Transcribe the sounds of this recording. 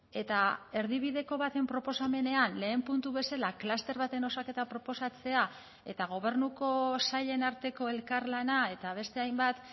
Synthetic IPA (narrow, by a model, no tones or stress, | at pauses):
e̞t̪ae̞ɾðiβ̞iðe̞ko̞βat̪e̞mpɾo̞po̞same̞ne̞anle̞ːmpunt̪uβe̞salaklast̪e̞ɾβat̪e̞no̞sake̞t̪apɾo̞po̞sat͡se̞a | e̞t̪aɣ̞o̞β̞e̞ɾnuko̞saʎe̞naɾt̪e̞ko̞e̞lkaɾlanae̞t̪aβ̞e̞st̪e̞ajmbat̪